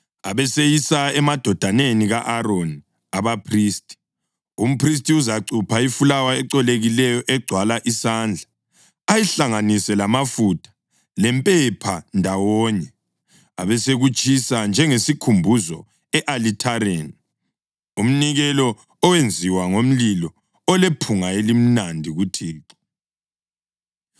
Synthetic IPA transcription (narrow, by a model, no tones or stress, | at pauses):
aβɛsejisaɛmad̥ʱɔd̥ʱaneniɣaʔaɾoni | aβapʰriːstʼi̥ | um̩pʰris̬tʼiuzaǀupʰaifulawaɛǀɔleɣilɛjɔʔɛɡ͡ǀʱwalaʔisaːnd͡ɮʱa | ajiɬaŋanisɛlamafutʰḁ | lɛmpʼɛpʰandʱawɔɲɛ | a̰βɛseɣut͡ʃʼisand͡ʒʱɛŋesikʰumbʱuzɔ | ɛʔalitʰaɾeni | um̩niɣɛlɔ | ɔwend͡zʱiwaŋom̩lilɔ | ɔlepʰuŋaelim̩nandʱiɣutʰiːǁɔ̥